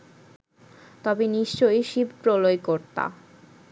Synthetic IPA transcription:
t̪ɔbeniʃt͡ɕojʃibpɾolojkoɾt̪a̰

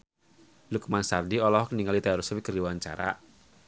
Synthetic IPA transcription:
lukmansardiɔlɔɦɔkəniŋalit̪aaɾusuwikəɾiwaɲt͡ʃa̰ɾa̰

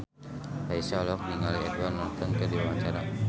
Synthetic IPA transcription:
raisalɔk̚niŋaliɛduarnat̪əŋkədiwawaɲt͡ʃaɾa

